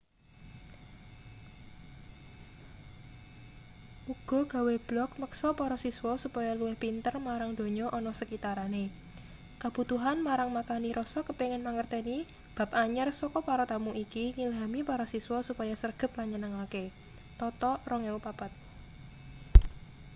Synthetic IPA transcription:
ʔuɡ̥ɔ̤ɡ̥a̤web̥lɔk̚məksɔpɔɾɔsiswɔsupajaluwɪhpint̪ərmaɾaŋd̪̥o̤ɲɔʔɔnɔsəkit̪aɾane | kab̥ut̪uɦanmaɾaŋmakaniɾʔɔsɔkəpiŋɪnmaŋərt̪ɛni | b̥a̤p̚aɲərsɔkɔpaɾɔt̪amuʔikiŋilɦamipɔɾɔsiswɔsupajasərɡ̥ə̤p̚laɲənəŋake | t̪ɔt̪ɔrɔŋeupapat̪̚

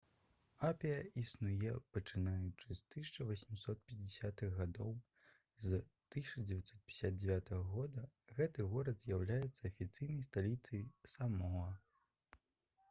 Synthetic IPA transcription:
apʲijɐʔisnujɛpɐt͡ʂɨnajut͡ʂɨst̪ɨsʲt͡ʂɐvɐsʲmʲisɔt̪̚pʲɛd͡zʲɪsʲat̪ɨɣːad̪ɔw | zt̪ɨsʲt͡ʂɐd͡zʲɛvʲat̪sɔt̪̚pʲisʲad̪̚d͡zʲɛvʲat̪ɐɣɐɣɔd̪ɐɣɛt̪ɨɣɔɾɐd̪zʲjawlʲajɛt̪sːɐɐfʲit̪sɨjnɐjst̪alʲit̪sɨjsamɔɐ

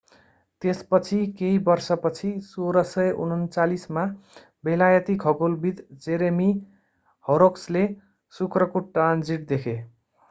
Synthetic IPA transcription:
t̪espʌt͡sʰikeibʌrsʌpʌt͡sʰisoɾʌsʌjʔṵnʌnt͡salisma | belajʌt̪ikʰʌɡolbid̪d͡zeɾemi | hʌɾoksle | sukrʌkoʈrand͡ziʈ̚d̪ekʰe

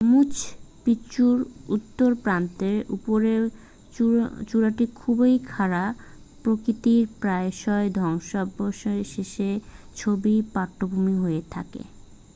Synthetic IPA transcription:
mut͡ɕʰpit͡ɕuɾut̪ːoɾpɾant̪eɾṵpoɾe | t͡ɕuɾaʈikʰubejkʰaɾa | pɾokɾit̪iɾpɾaeʃɔed̪ʱɔŋʃɔboʃʃeʃet͡ɕʰobipaʈːobʱumiɦojet̪ʰa̰kḛ

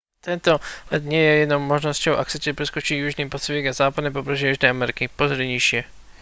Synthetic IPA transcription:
t̪ɛnt̪olɛt̪ɲɛjɛjɛd̪nowmoʒnoscowʔa̰ksɛt̪ɛpɾɛskot͡ʃijuʒniːpasvɛkazaːpad̪nɛp̬opɾɛʒɛjuʒnɛːamɛɾɪkɪpozdɛɲiʃɪɛ

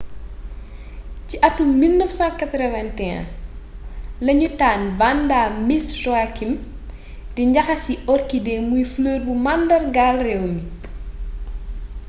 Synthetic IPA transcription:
ciʔɐtːumːilnəfsãːnkɐt̪ɾɔvɛntɛã̰ | lɐɲutaːnvandaːmisʃwakim | diɲɟɐxɐsiɔrkidɛmujfləːrbumandɐrɡaːlrɛwmi

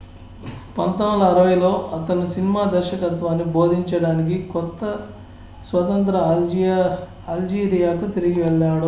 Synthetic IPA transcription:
pɐnt̪ɐmlɐːɾɐʋɐjlo̞ːʔɐt̪ɐnːusinimaːd̪ɐɾʃɐkɐt̪ʋaːnːibo̞ːd̪ʱiɲt͡ʃɐɽaːnik̬ikɔt̪ːɐ | sʋɐt̪ɐnt̪ɾɐ | ɐld͡ʒiːɾijaːkut̪eɾiɡiʋɛɭːaːɐɽu

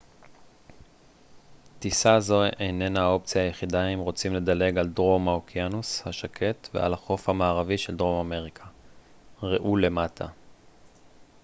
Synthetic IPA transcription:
t̪isazo̞ejne̞nao̞pt͡sijaːjeχidaimʁo̞t͡simle̞d̪ale̞ɡaldʁo̞maokianushaʃakʰe̞tve̞̰a̰laχo̞fhamaːʁaviʃeldʁo̞mame̞ʁikʰa | ʁeʔule̞matʰa

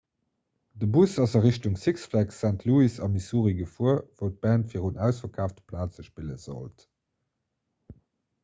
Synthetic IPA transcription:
dəbusɑzɑʁiɕtuŋsiksflæksæntʰluisɑmisuːʁiɡəfuəɐvəʊt̚b̥æːntfiːʁunæʊsfɐkʰaːftəpʰlaːt͡səʃpilə̰z̥o̰lt

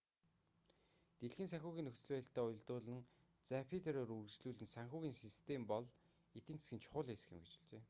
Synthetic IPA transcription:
t̪eɮxɘ̆nsaŋxʲuːɣʲiːnɵxt͡sɘ̆ɮpæːɬt̪æːʊj̆ɮt̪ʊːɮə̆n | t͡sapʰit̪ʰeɾoːrurɣsɮuːɮɘ̆nsaŋxʲuːɣiːnsist̪ʰempɔɮ | et̪ɘ̆nt͡se̥sɡʲɘ̆nt͡ɕʰʊ̥χʊːɮeːsə̥̆xɪ̆mɡet͡ɕɪ̥̆ɮt͡ɕeː

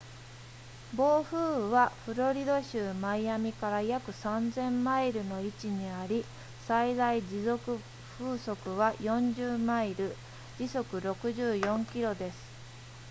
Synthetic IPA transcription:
bo̞ːɸɯːβaɸɯ̟ɾo̞ɾʲid̪o̞ɕɯːmaijamʲikaɾajakɯ̟sãnzẽ̞mːaiɾɯ̟no̞it͡ɕiɲ̟iaɾʲi | said̪aid͡ʑizo̞kɯ̟ | ɸɯːso̞kɯ̟βajõ̞ɲd͡ʑɨːmaiɾɯ̟ | d͡ʑiso̞kɯ̟ɾo̞kɯ̟ʑɨːjõ̞ŋkʲiɾo̞d̪e̞sɨ̥

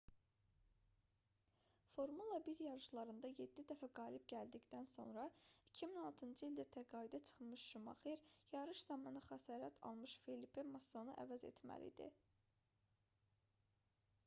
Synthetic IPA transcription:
fo̞ɾmulˠɑbiljɑɾɯʃlˠɑɾɯnd̪ɑje̞d̪ːid̪æfæɡɑːlib̚ɟæld̪iɟd̪ænso̞̰nɾɑicʰiminɑlˠt̪ʰɯnd͡ʒɯild̪æt̪ʰæɡɑːid̪æt͡ʃʰɯ̥χɯnmɯʃʃumɑ̰χeɾjɑɾɯʃzɑmɑnɑχæsɑːɾæt̪ʰɑ̰lˠmɯʃfelipemɑsːɑnɯʔæ̰væze̞̰t̪ʰmæ̰lḭd̪ḭ

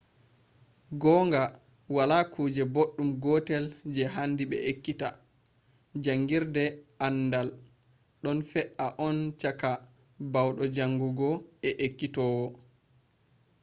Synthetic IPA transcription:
ɡɔːŋɡa | walakʰuːd͡ʒɛboɗːumɡɔtɛld͡ʒɛɦandiɓɛ̰ʔekːita | d͡ʒaŋɡiɾdɛanːdal | ɗɔnfɛʔaʔɔnt͡ʃaka | bawɗɔd͡ʒaŋɡuɡɔɛʔekːitɔːwɔ

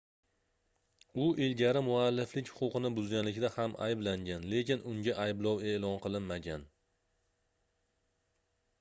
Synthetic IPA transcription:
ʊʔɪlɡʲaɾɪmʊalːɪflɪkʲhʊ̥qʊqɨnɪbʊzɡʲanlɪkʲd̪ahamʔa̰jblaŋɡʲanle̞kʲɪnʊŋɡʲaʔajblˠɒwe̞lˠɒnqʰɨlˠɪnmaɡʲan

